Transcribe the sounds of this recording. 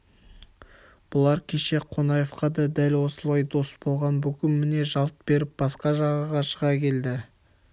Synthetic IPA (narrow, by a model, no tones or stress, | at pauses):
b̥ʊlˠɑɾkʲʰe̞ʃe̞qʰo̞nɑje̞fqɑd̪ɑd̪ælwo̞səlˠɑjd̪o̞sbo̞lˠʁɑnbɵkʲɪmmːɪne̞ʒɑlˠt̪̚be̞ɾɪp̚b̥ɑsqɑʒɑʁəʁɑʃəʁɑkʲʰe̞ld̪ɪ